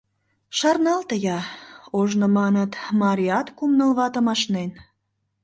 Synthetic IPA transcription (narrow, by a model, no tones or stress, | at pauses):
ʃɑrnɑlt̪əjɑoʒnŏmɑnət̪mɑɾʲiɑt̪kumnəlβɑt̪əmɑʃnen